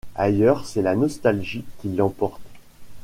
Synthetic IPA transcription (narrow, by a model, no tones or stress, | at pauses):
ajœʁsɛlanɔst̪alʒikʲilːɑ̃pɔʁt̪